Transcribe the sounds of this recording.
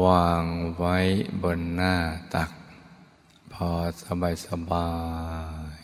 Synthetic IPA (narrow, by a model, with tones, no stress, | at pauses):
waː˧ŋwa˦˥jbɔ˧˩nːaː˥˧˩t̪a˨˩k̚ | pʰɔː˧˩sa˧baː˨˩jsa˧baː˧j